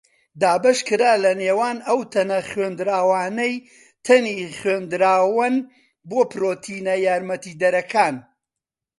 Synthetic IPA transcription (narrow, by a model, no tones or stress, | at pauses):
d̪aːbɐʃkɨɾaːlɐneːwaːnɐwt̪ʰɐnɐχweːnd̪ɾaːwaːnɐj | t̪ʰɐniχweːnd̪ɨɾaːwɨn | boːpɨɾoːt̪ʰinɐjaːɾmɐt̪iːd̪ɐɾɐkʰaːn